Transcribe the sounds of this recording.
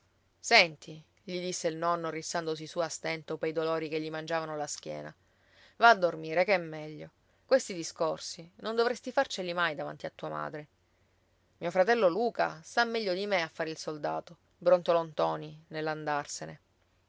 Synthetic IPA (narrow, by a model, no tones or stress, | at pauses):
sɛnt̪i | ʎid̪isːeilnɔnːorisːand̪os̬isuast̪ɛnt̪opejd̪olɔːɾikeʎːimand͡ʒavanolask̟jɛ̰ːna̰ | vaːd̪ːormiːɾekɛmːɛʎːo | kwest̪id̪iskorsinond̪ovɾest̪ifart͡ʃelimajd̪ava̰nt̪iat̪ːuːama̰ːd̪ɾe | miːofɾat̪ɛlːoluːka̰st̪amːɛʎːod̪imeafːaːɾeilsold̪aːt̪o | bɾont̪olont̪ɔːninelːand̪arsene